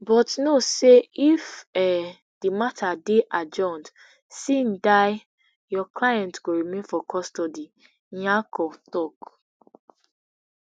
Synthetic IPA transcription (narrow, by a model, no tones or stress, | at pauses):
bɔtnoseifɛ | d̥imatʰadeʔad͡ʒɔ̃nt | sĩndaɪ | jɔklajɛ̃ntɡoɹimẽnfɔkʰɔstɔdĩ | akɔtɔk